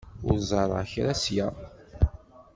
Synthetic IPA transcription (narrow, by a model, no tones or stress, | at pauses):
ʊ̰ɾzˤɑɾˤɑ̰çɾæsjæ